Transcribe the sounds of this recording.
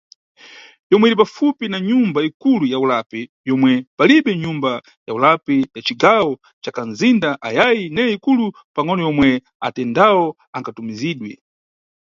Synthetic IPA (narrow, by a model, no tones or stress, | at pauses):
jɔmwɛiɾipafupinaɲumbaikulujaulapɛ | jɔmwɛpaliɓɛɲumba | jaulapɛjat͡ʃiɡawɔ | t͡ʃakanzindaʔajajinɛikulu | paŋɔnɔjɔmwɛ | a̰tɛndawɔ | aŋkatumiziːɗwɛ